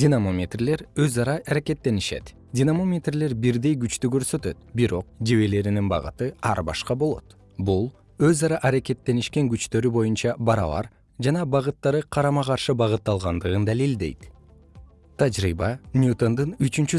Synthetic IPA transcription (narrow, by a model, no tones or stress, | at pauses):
dʲinamomʲet̪rle̞ɾøzɑɾɑʔɑɾake̞t̪ːe̞niʃe̞̰t̪ | dʲinamo̞mʲet̪rle̞ɾbiɾd̪e̞jɡyt͡ʃt̪yɡø̞ɾsø̞t̪ø̞̰t̪biɾo̞q̚d͡ʒeβe̞le̞ɾininbɑ̰ʁɯ̰t̪ɯɑ̰ɾbɑ̰ʃqɑbo̞lˠo̞̰t̪ | bulˠ | øzɑɾɑʔɑɾake̞t̪ːe̞niʃke̞ŋɡyt͡ʃt̪ø̞ɾybo̞junt͡ʃɑbɑɾɑ̰βɑ̰ɾ | d͡ʒɑnɑbɑʁɯt̪ːɑɾɯqʰɑɾɑmɑqɑɾʃɯbɑʁɯt̪ːɑlˠʁɑnd̪ɯʁɯnd̪ælild̪e̞̰jt̪ | t̪ʰad͡ʒɾibɑnʲjut̪o̞nd̪ɯnyt͡ʃynt͡ʃy